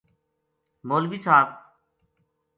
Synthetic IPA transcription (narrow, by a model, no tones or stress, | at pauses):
moːlbiːsʰaːt